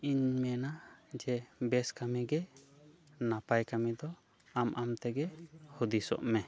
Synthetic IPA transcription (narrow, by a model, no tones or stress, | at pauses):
iɲmɛnad͡ʒɛbɛskamɛɡɛ | napajkamɛd̪ɔ | amʔamt̪ɛɡɛhud̪isɔ̰ʔmɛ